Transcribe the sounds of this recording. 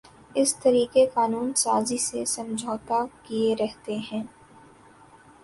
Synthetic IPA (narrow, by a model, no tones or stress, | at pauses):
ɪst̪ɐɾiːkekaːnuːnsaːzisesɐ̃md͡ʒʱoːt̪akieɾɛɦt̪eɦɛ̃ː